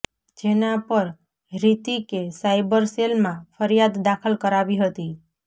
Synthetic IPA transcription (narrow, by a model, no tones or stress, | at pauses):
d͡ʒenãpəɾ | ɾit̪ikesaibəɾselmãfʰəɾjad̪ːakʰəlkəɾaʋiɦət̪i